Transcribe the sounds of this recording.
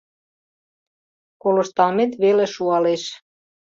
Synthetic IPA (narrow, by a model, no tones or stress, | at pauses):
koloʃt̪ɑlmet̪βelĕʃuɑleʃ